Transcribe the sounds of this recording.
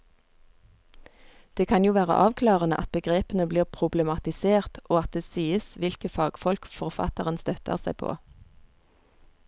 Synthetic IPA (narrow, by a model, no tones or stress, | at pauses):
d̪̥eːkʰɑnjuːʋæːʁə̰ʔɑːʋkʰlɑːʁənə̰ʔɑt̪̚bəɡʁeːpənəbliːʁpʰʁʊblɛmɑt̪ɪseːʁt̪ʔoːɑt̪̚d̪eːsiːəsʋɪlkəfɑːɡ̥fɔlkfɔʁfɑ̰t̪əʁənst̪œt̪ʰə̰ʁsæɪpʰo̰ː